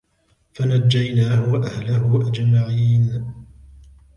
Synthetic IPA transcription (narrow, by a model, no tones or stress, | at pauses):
fanad͡ʒːajnaːhʊwʔahlaɦʊʔad͡ʒmaʕiːn